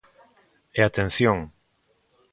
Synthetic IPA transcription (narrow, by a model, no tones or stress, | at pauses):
ɛat̪ẽn̟θjoŋ